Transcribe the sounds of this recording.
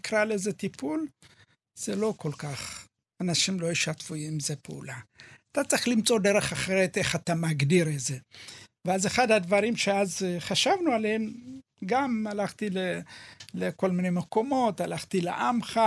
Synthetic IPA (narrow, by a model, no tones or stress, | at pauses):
kɾalezet̪ipul | z̥elo̞ko̞lkaχ | anaʃimlo̞jiʃat̪fuimzepeṵlaat̪at͡sʁiχlimt͡so̞d̪eʁe̞χaχeʁet̪e̞χat̪amaɡdiʁezeveazeχadhad̪vaʁimʃeazχaʃavnualehem | ɡamalaχt̪ileleko̞lminejmeko̞mo̞t̪alaχt̪ilḛʔamχa